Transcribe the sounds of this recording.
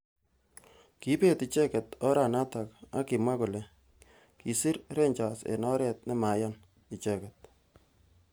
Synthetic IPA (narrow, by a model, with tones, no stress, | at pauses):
ki˦pe˦ti˨t͡ʃɛ˦kɛ˨tɔ˦ɾa˨na˦ta˨ka̰˦ki˨mwa˦ku˨le˨ | ki˨si˦ɾɾe˦ɲt͡ʃa˨sḛ˨nɔ˦ɾɛ˨t̚nɛ˦ma˨jɔ˦n | i˨t͡ʃɛ˦kɛt̚